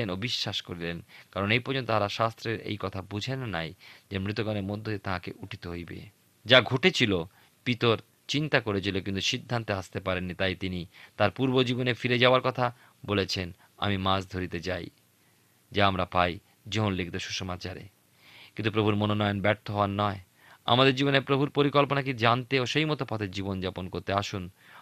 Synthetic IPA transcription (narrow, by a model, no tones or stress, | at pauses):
enobiʃːaʃkoɾilenkaɾonejpɔɾd͡ʑʰont̪oaɾaʃast̪ɾeɾḛjkɔt̪ʰabud͡ʑʱenːajd͡ʑemɾit̪oɡaneɾmod̪ʱːoet̪ãkeʔuʈʰi̥t̪oɦojbḛ | d͡ʑaɡʱoʈet͡ɕʰilo | pit̪oɾ | t͡ɕint̪akoɾet͡ɕʰilokint̪uʃid̪ʱːant̪east̪epaɾenːit̪ajt̪init̪aɾpuɾbod͡ʑibonefiɾed͡ʑaoaɾkɔt̪ʰa | bolet͡ɕʰen | a̰mimãsd̪ʱoɾit̪et͡ɕaj | d͡ʑaamɾapaj | d͡ʑoɦonliɡd̪oʃuʃomat͡ɕaɾḛ | kint̪up̬ɾobʱuɾmononɔjonbɛɾt̪ʰoɦɔanːɔe | a̰mad̪eɾd͡ʑibonepɾobʱuɾpoɾikɔlponak̬id͡ʑant̪eoʃejmɔt̪opɔt̪ʰed͡ʑibond͡ʑaponkoɾt̪eaʃun